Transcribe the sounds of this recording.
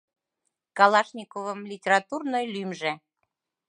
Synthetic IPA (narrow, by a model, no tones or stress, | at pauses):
kɑlɑʃnʲikovəmlʲitʲeɾɑt̪urnojlymʒe